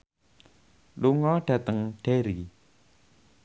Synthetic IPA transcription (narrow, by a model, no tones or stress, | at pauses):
luŋɔɖ̥at̪əŋɖ̥eɾi